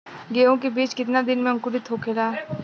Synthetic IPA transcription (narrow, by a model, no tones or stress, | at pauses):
ɡeːõkebiːt͡ʃkɪt̪nad̪ɪnmẽɐ̃ŋkubit̪ʰoːkeːlaː